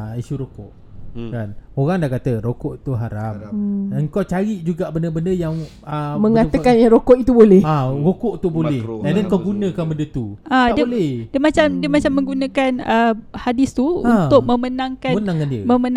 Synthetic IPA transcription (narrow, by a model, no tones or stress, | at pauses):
iʃuɾokoʔ | kanoɣaŋdahkat̪əɾokoʔt̪uɦaɾamaŋkot͡ʃaɾiʔd͡ʒuɡaʔbəndəbəndəjaŋ | əməŋat̪əkanjaɾokɔʔit̪ubolɛhaɾokoʔt̪ubolɛandɛkoɡunə̃kanbəndət̪uadiəolɛhdiəmat͡ʃamdiəmat͡ʃamːə̃ŋɡunə̃kanəhadist̪uṵnt̪ʊk̚mə̃mənãŋkamnãŋkandiəmə̃mən